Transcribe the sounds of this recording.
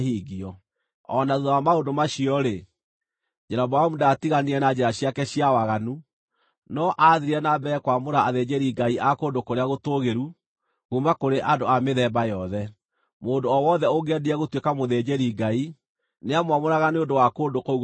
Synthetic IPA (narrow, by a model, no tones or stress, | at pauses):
hiːɣiɔ | ɔnaðuðɔwamaondomaɕiɔɾe | d͡ʒɛɾabaamudatiɣaniɛnad͡ʑeɾaɕiakɛɕiawaɣanu | nɔʔaðiɾiɛnabɛːkwamoɾaːðed͡ʑeɾiɡaiʔakoːndokoɾeaɣotoɣeɾu | ɣumakoɾeʔadoameðɛːbajɔðɛ | moːndoɔwɔðɛoŋɡeɛdiɛɣotwekamoðed͡ʑeɾiɡai | neamwamoɾaɣaneondowakoːndokouɣ